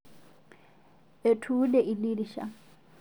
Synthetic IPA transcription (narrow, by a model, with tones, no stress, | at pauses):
e˨tʰu˦lɛ˨ʔi˨li˦di˨ʃa̰˨